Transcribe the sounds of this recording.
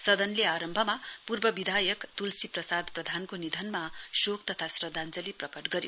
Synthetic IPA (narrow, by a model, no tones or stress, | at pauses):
sʌd̪ʌnleaɾʌmbʱʌmapurbʌbid̪ʱajʌkt̪ulsiprʌsad̪prʌd̪ʱankonid̪ʱʌnmasokt̪ʌt̪ʰasrʌd̪ʱand͡zʌliprʌkʌʈɡʌɾjo